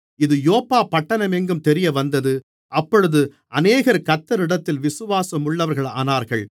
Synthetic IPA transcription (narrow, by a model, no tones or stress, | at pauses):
ɪðɯjoːpːaːpɐʈːɐnɐmɛŋɡɯmt̪ɛɾɪjɐʋɐnd̪ɐðɯ | ʔɐpːɔɻɯðɯ | ʔɐneːɣɐɾkɐt̪ːɐɾɪɽɐt̪ːɪlʋɪsɯʋaːsɐmʊɭːɐʋɐɾɣɐɭa̰ːnaːɾɣɐɭ